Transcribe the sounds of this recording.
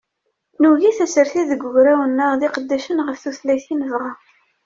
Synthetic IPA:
nuʝiθæsəɾθiðəɡːʊʝɾæwənːəʁðiqəd̪ːæʃənʁəfθuθlæjθinəvʁa

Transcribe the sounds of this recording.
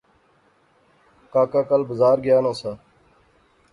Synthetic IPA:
kaːkaːkəlbəzaːɾɡɪjaːnãːsaː

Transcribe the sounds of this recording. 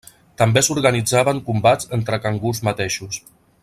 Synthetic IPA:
t̪əmbesuɾɣənid͡zaβəŋkumbazənt̪ɾəkaŋɡuzmat̪eʃus

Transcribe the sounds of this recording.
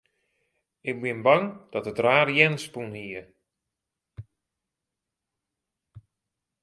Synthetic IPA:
ɪk̚bɪnbɑŋd̥ɔtətraːrjɛnspunhiə

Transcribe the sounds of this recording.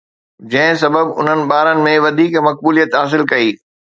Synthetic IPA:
d͡ʑɐ̃ɦɪ̃s̬ɐbəbʊ̰n̤ənɪ̆ɓaːɾənɪ̆mẽʋɐd̪ʱiːkmɐk̚buːlijət̪ɦaːs̬ɪlkɐiː

